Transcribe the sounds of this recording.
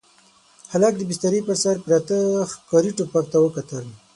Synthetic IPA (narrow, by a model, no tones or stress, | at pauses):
halak̚d̪əbɪst̪aɾipəɾsaɾpɾat̪əxkɑɾiʈopak̚t̪awəkat̪əl